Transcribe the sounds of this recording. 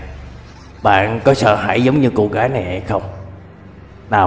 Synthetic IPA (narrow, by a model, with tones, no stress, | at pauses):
ɓa̰ː˧˨nkɔ˨˦sə̰ː˧˨ɦa̰ː˧˩jzə˨˦wŋ͡mɲɨ˧ku˧˩ɣaː˨˦jna˨˩jhə˧jxə˧wŋ͡m | naː˨˩